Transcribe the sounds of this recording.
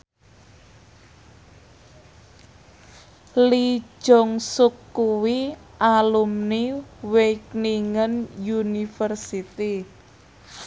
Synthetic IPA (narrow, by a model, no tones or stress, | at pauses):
li̥ʒ̥ɔŋsukːuwiʔalumniwekniŋənjunifərsit̪i